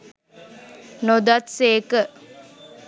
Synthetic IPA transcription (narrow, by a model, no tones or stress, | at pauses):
nod̪at̪seːkə